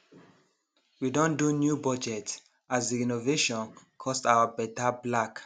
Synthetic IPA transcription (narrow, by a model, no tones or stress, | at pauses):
widɔ̃ndunjubɔd͡ʒɛt | azdiinoveʃɔ̃nkʰɔstawəbɛtablak